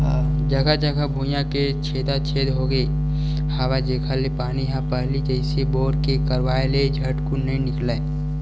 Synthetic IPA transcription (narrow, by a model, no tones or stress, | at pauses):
ɦa | d͡ʒɐɡad͡ʒɐɡabʱujãket͡ʃʰeːd̪at͡ʃʰeːd̪ɦoːɡəi | haːʋad͡ʒeːkʰaːlepaːniɦãpɐɦlid͡ʒəɪseboːɾkekɐɾʋaːeled͡ʒʱɐʈkunĩnɪklae